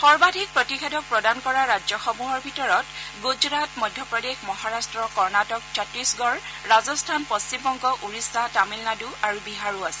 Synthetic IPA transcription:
xɔɹbadʱik̚pɹɔtixedɔk̚pɹɔdankɔɹaɹad͡ʒɔxɔmuɦɔɹbʱitɔɹɔtɡuzɹatmɔjdʱjɔpɹɔdexmɔɦaɹastɹɔkɔɹnatɔk̚t͡ʃʰɔtɹisɡɔɹ | ɹazɔstʰanpɔst͡ʃimbɔŋkɔʔuɹisːatamilnaduaɹubiɦaɹuasɛ̥

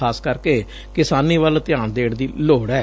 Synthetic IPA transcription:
aːskəɾkeː | kɪsaːniːʋəlt̪ɪjãːnd̪eːɽd̪iːloːɽɛː

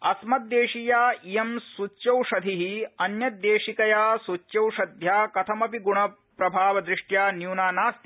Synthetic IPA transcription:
ɐsmɐd̪ːeːʂijaːijemsut͡ʃːʃɐwʂɐd̪ʱiɦiɐnjɐd̪eːʂikɐjaːsut͡ʃːjɐwʂɐd̪ʱjaːkɐt̪ʰɐmɐpiɡuɳɐ | pɾɐbʱaːʋɐd̪ɾiʂʈjaːnjuːnaːnaːst̪

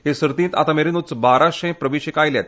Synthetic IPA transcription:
ɦesɾt̪ĩːnt̪a̰t̪ameɾinut͡sbaɾaɕẽpɾəʋiɕekajljɛt̪

